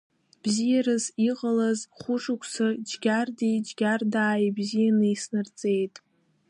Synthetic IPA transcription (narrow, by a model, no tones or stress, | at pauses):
b̥zijaɾɨziqʼalazχʷʊʂukʷʰʼsɨd͡ʒɡʲardid͡ʒɡʲardaːjbzijanɨisnɨrt͡sʼejtʼ